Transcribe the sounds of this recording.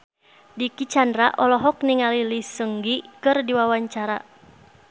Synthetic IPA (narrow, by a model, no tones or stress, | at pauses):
dikit͡ʃandɾa̰ʔɔlɔɦɔk̚niŋalilisəŋɡikɨrdiwawaɲt͡ʃaɾa